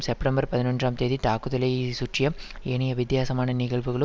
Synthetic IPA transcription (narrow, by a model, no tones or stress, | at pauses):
msɛpʈɐmbɐɾpɐðɪnɔndraːmt̪eːðit̪aːkɯðɐlɐjisuʈrɪjɐmenɐjɐʋɪd̪jaːsɐmaːnɐnɪɣɐɭʋɯɣɐɭɯ